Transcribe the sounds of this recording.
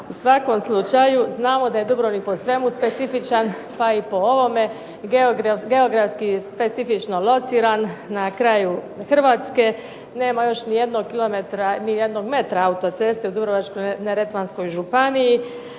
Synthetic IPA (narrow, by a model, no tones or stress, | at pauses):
usʋako̞mslˠut͡ʃajuznaːmo̞d̪aje̞d̪ubɾonipo̞sʋe̞muspe̞t̪sifit͡ʃan | paipo̞o̞ʋo̞me̞ | ɡeoɡɾaɡe̞oɡɾafskispe̞t̪sifit͡ʃno̞lˠo̞t̪siːɾanːakɾaju | xr̩ʋaːt̪ske̞ | ne̞ːmajo̞ʃnije̞d̪no̞ɡkilˠo̞met̪ɾanijed̪no̞ɡme̞t̪ɾaaut̪o̞t̪se̞st̪eud̪ubɾoʋat͡ʃkoneɾet̪ʋansko̞jʒupaniji